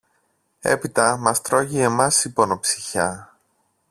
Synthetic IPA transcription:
e̞̰pit̪ɐmɐst̪ɾo̞ʝie̞mɐsipo̞no̞psi̥çɐ

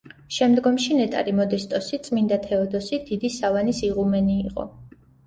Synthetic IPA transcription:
ʃɛmd̪ɡɔmʃinɛt̪ʼa̰ɾimɔd̪ɛst̪ʼɔsit̪sʼmind̪at̪ʰɛɔd̪ɔsid̪̥id̪isavanisiʁumɛniːqʼɔ̰

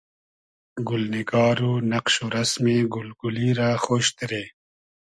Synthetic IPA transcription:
ɡʊlniɡɑːɾuːnɐqʃoɾɐsmeːɡʊlɡuliɾaːxoːɕt̪ɾeː

